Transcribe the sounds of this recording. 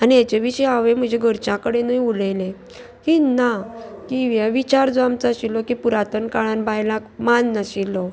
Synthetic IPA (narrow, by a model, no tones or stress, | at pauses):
aniat͡ɕeʋiɕəjaʋem̤əd͡ʑʱeɡʱəɾt͡ɕãkəɽenəiulelẽ | kinakiʋaʋit͡ɕaɾd͡zamt͡səəɕilːɔkipuɾat̪ənkaɭãnbajlãkmanːəɕilɔ